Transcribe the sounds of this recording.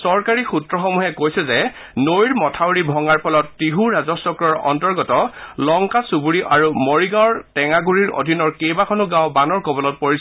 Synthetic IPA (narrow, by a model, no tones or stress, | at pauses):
sɔɹkaɹixutɹɔxɔmuɦɛkojsɛzɛ | nojɹmɔtʰawɹibʱɔŋaɹpʰɔlɔtːiɦuɹazɔsɔkɹɔɹɔ̰ntɔɹɡɔtɔlɔŋkasubuɹiʔaɹumoɹiɡaɔɹtɛŋaɡuɹiɹo̰dʱinɔɹkejbakʰɔnʊɡãwbanɔɹkobɔlɔt̚poɹis